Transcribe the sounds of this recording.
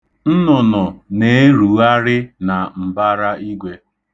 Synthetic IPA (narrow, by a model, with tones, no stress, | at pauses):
n̩˦nɔ˨nɔ˨ne˨˦e˦ɾu˨˦a˦ɾɪ˦na˨m̩˨ba˦ɾa˦i˦ɡʷe˦